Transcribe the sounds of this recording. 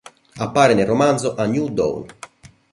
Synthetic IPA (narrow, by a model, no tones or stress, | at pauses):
apːaːɾɪneromand̪zoʔanjud̪o̰wn